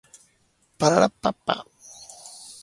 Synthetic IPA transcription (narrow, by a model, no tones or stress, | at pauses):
paɾaɾapːapːa̰